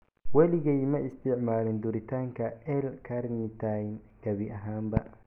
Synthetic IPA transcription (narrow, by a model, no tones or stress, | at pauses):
wɐlɪɣɛjmɐɪst̪ʰɪʕmaːlɪnd̪ʊɾɪt̪ʰaːŋkʰɐɛlkʰaɾnit̪ʰajn | ɡ̥ɐβiʔɐɦaːmbɐ